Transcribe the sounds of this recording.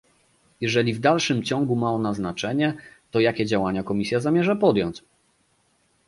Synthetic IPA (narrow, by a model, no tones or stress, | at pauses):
jɛʐɛlʲivd̪alʂɘmt͡ɕɔŋɡumaɔnaznat͡ʂɛɲɛt̪ɔjakʲɛd͡ʑawaɲakɔmʲisʲjazamʲjɛʐapɔd̪ʲjɔɲt͡ɕ